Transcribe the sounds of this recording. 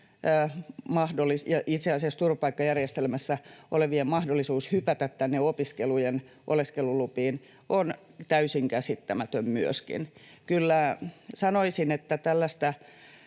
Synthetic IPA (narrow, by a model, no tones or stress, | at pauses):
mɑhdolːˑisjɑʔit̪seɑsiɑst̪urʋɑpɑikːɑjærjest̪elmæsːæʔo̰leʋiemmɑhdolːisuːshypæt̪æt̪t̪ænːeopiskelujen | ʔo̰leskelulupiːn | ʔont̪æysiŋkæsit̪ːæmæt̪ømmyøskḭnkylːæsɑnoisinet̪ːæt̪ælːæst̪æ